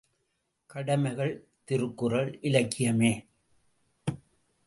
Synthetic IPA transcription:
kɐɽɐmɐɪɣɐɭ | t̪ɪɾɯkːɯrɐɭʔɪlɐkːɪjɐmeː

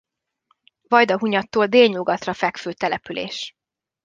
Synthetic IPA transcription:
vɒjd̪ɒɦuɲɒt̪ːoːld̪eːlɲuɡɒt̪rɒfɛkføːt̪ɛlɛpylḛːʃ

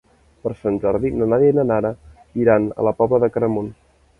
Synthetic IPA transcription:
pəɾsanʲʒɔɾðinənaɾinənaɾə | iɾanə̰ləpɔβləðəkəɾəmun

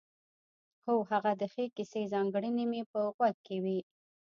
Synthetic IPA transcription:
xohaɣad̪əxekisezɑŋɡɽənimepəɣwaɡ̪̚kewi

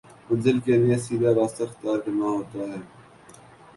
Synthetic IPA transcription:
mʊnzɪlkelijesiːd̪aɾaːst̪axɪ̥t̪jaːɾkənaɦoːt̪aːɦɛː

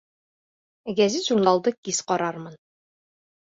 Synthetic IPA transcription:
ɡæzɘt̪ʑuɾnˠɑlˠd̪ɤkisqɒɾɑɾmɤn

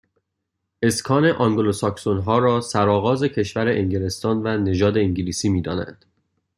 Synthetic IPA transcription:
ʔe̞skʰɒːne̞ʔɒŋɡolosɒksonɦɒːɾɒːsæɾɒːɣɒːze̞cʰe̞ʃvæɾeʔeŋɟele̞st̪ɒːnvæne̞ʒɒːd̪e̞iŋɟiliːsiːmiːd̪ɒ̰ːnæ̰nd̪̥

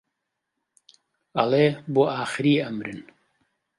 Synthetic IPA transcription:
ɐleːboʔaːxɨɾiːɐmɾɨn

